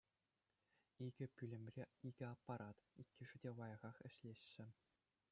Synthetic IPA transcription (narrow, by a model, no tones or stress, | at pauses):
iɡʲɘ̆pʲylʲɘ̆mʲrʲeiɡʲɘ̆ɑpːɑɾʔɑt̪ikʲːɘ̆ʐɘ̆dʲeʋɑjɑʁɑχɘ̆ɕlʲeɕːɘ̆